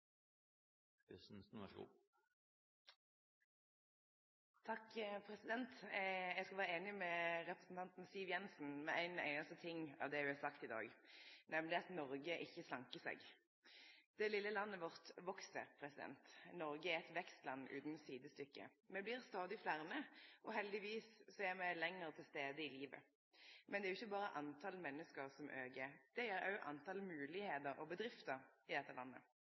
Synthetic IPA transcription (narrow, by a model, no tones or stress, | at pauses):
sn̩sn̰ | t̪ʰɑkpʰʁɛsɪd̪ɛnt̪jæɡskɑʋæːʁəeːnɪmɛʁɛpʁəsn̩t̪ʰɑnt̪n̩siːʋjɛnsn̩mɛʔæɪnæ̰ɪnɑst̪ət̪ʰɪŋːɑ̰ːʋd̪ɛʋɪɑsɑkt̪ɪd̪ɑ̰ːɡnɛmlɪɑt̪nɔʁɡəʔɪçːəslɑŋkəsḛːɡ | d̪̥ɛlɪlːəlɑnːəʋɔʁt̪ʋɔksə̰pʰʁɛsɪd̪ɛ̰nt̪nɔʁɡəɛʁɛt̪ʋɛkst̪lɑnːʉ̰ːt̪n̩siːd̪əst̪ʏkːə̰ | mɛblɪʁst̪ɑːd̪ɪflæʁnəʔɔɦɛld̪ɪʋiːssɔɛʁmɛɪlɛŋːəʁət̪ʰɪlst̪eːd̪əɪliːʋə̰ | mʔɛnɛæɾjʊɪçːəbɑːʁəʔɑnt̪ʰɑlmɛnːəskəʁsɔmʔøːɡed̪̥ɛjɛɾɑ̰ʔɑ̰nt̪ɑlmʉːlɪheːt̪əɾɔbəd̪ɾɪft̪əɾɪd̪ɛt̪ːəlɑnːə̰